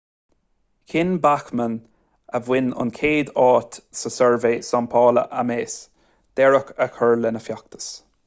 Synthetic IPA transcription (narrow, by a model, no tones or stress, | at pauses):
kʰɪnbaxmən | əvwɪnʊ̰nkʰeːd̪ɑːt̪səsɛɹveːsampʰɑːlə̰ʔameːs | d̪̥ɛɹəkəkʰɜɹlɪnəfjak̚t̪ʰə̥s